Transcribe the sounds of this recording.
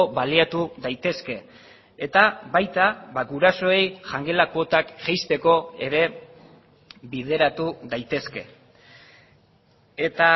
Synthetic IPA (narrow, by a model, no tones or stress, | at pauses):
oβaliat̪uðajt̪e̞ske̞ː | t̪aβajt̪aβaɡuɾaso̞e̞jʝaŋɡe̞lakot̪akʝajst̪e̞ko̞e̞̰ɾe̞ | βið̞e̞ɾat̪uðajt̪e̞ske̞̰ | et̪a